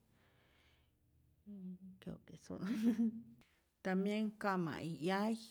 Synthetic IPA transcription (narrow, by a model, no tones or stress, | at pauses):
kekesṵn | t̪amjeŋkama̰ʔijaj